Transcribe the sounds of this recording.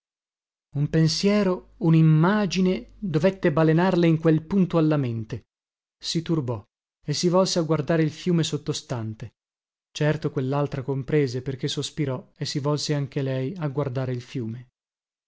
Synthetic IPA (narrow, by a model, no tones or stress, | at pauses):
umpensjɛːɾo | unimːaːd͡ʒined̪ovet̪ːebalenarleiŋkwelpunt̪oalːament̪e | sit̪urbɔ | esːivɔlseaɡward̪aːɾeilfjuːmesot̪ːost̪ant̪e | t͡ʃɛrt̪okwelːalt̪ɾakompɾeːzeperk̟esːospiɾɔesːivɔlseaŋk̟elɛjaɡward̪aːɾeilfjuːme